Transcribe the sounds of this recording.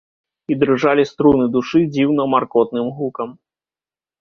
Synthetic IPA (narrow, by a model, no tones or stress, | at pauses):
id̪ɾɨʐalʲist̪ɾunɨd̪uʂɨd͡zʲiwnɐmarkɔt̪̚nɨmɣukɐm